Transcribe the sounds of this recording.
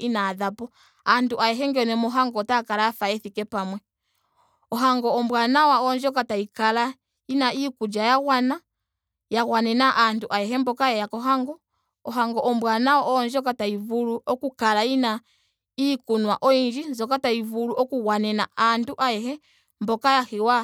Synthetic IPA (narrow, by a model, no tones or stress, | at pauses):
inaːðapɔ | anduʔajɛɦɛŋɡɛɔnɛmɔɦaŋɡɔtakalaafaɛθikɛpamwɛ | ɔɦaŋɡɔɔmbwanawaɔnd͡ʒɔkataikala | inaikud͡ʒajaɣwana | jaɣwanɛnaʔanduʔajɛɦɛmbɔkajajakɔɦaŋɡɔ | ɔɦaŋɡɔʔɔmbwanawɔʔɔːnd͡ʒɔk̬ataivuluʔɔkukalaina | ikunwaʔɔind͡ʒinzɔkataivuluʔɔkuɣwanɛnaanduʔajɛhɛ | mbɔkajahiwa